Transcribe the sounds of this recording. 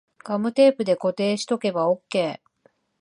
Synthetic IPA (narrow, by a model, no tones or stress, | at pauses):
ɡ̥amɯ̟t̪e̞ːpɯ̟d̪e̞ko̞t̪e̞ːɕi̥t̪o̞ke̞bao̞kːe̞ː